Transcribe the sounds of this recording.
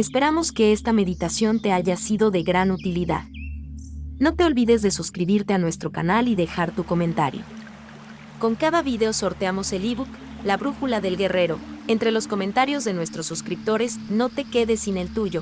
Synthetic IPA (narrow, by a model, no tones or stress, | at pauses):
e̞spe̞ɾamo̞ske̞e̞st̪ame̞ðit̪asjo̞nt̪e̞aʝasiðo̞ðe̞ɣɾanut̪iliða̰ð | no̞t̪e̞o̞lβiðe̞zðe̞suskɾiβiɾt̪e̞anwe̞st̪ɾo̞kanaliðe̞xaɾt̪uko̞mẽ̞nt̪a̰ɾjo̞̰ | ko̞ŋkaðaβiðe̞o̞so̞ɾt̪eamo̞se̞liβuk | laβɾuxulaðe̞lɣe̞re̞ɾo̞ent̪ɾe̞lo̞sko̞mẽnt̪aɾjo̞zðe̞nwe̞st̪ɾo̞sːuskɾip̚t̪o̞ɾe̞zno̞t̪e̞ke̞ðe̞sine̞lt̪uʝo̞